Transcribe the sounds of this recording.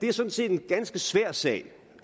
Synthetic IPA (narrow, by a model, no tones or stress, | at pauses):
d̥e̝æɐsɒ̽n̩se̝̰ːd̥e̝nɡ̥ænsɡ̥əsʋæɐ̰sɛ̰ːɪ